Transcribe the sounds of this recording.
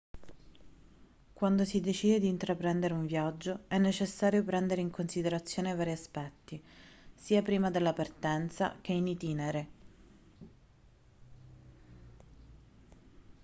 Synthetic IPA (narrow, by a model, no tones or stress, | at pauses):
kwand̪osid̪et͡ʃiːd̪ed̪iːnt̪ɾapɾɛnd̪eɾeuɱvjad͡ʒːoɛnːet͡ʃesːaːɾjopɾɛnd̪eɾeiŋkonsid̪eɾat̪sːjoːnevaːɾiaspɛt̪ːisiːapɾiːmad̪elːapart̪ɛnt̪sa̰k̟einit̪iːneɾe